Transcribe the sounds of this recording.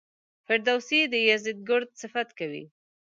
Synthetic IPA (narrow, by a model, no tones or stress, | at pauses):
fɪɾd̪awsid̪əjazɪd̪̚ɡʊɾd̪̚sɪfat̪kawḭ